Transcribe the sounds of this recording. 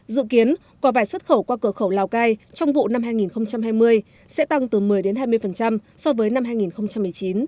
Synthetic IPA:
zɨ̰˧˨ki˨˦ən | kɔ˨˦vaː˧˩jswə˦˥t̚xə˧˩wkwaː˧kɨ˧˩xə˧˩wlaː˨˧˩wkaː˧jt͡ɕɔ˧wŋ͡mvṵ˧˨na˧mhaː˧jŋi˨˩nxə˧wŋ͡mt͡ɕa˧mhaː˧jmɨ˧əj | sɛ̰˧˥t̪a˧ŋt̪ɨ˨˩mɨ˨˩əjɗe˨˦nɦaː˧jmɨ˧əjfə˨˩nt͡ɕa˧m | sɔ˧vəː˨˦jna˧mhɦaː˧jŋi˨˩nxə˧wŋ͡mt͡ɕa˧mːɨ˨˩əjt͡ɕi˨˦n

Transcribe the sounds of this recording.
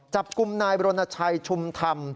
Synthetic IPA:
t͡ɕa˨˩p̚ku˧mnaː˧jbɾoː˧na˧t͡ɕʰa˧jt͡ɕʰu˧mt̪ʰa˧m

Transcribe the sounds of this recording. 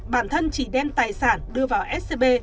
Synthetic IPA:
ɓaː˧˩nt̪ʰə˧nt͡ɕi˧˩ɗɛ˧mt̪aː˨˩jsaː˧˩nɗɨ˧əvaː˨˩wʔɛ˦˥t̚se˧ɓe˧

